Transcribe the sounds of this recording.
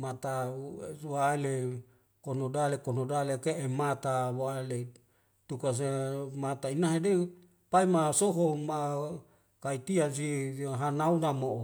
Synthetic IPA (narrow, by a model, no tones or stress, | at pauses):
mat̪a | waele | konodalekonodalekeemat̪awale | t̪ukas̬emat̪ainaɦede | paimasoɦoma | kait̪ians̬iɦanaunamo